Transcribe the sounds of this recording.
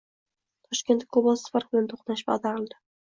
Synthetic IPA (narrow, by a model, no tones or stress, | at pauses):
t̪ʰɒʃkʲe̞nt̪kʰobɒssfaɾbɪlant̪ʰoχnaʃba̰d̪aɾɪlˠd̪ɪ